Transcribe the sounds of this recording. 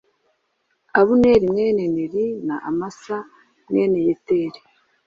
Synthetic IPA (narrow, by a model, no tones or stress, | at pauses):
aβuneɾimŋeːneneɾinaʔamasa | mŋeːnejeteɾi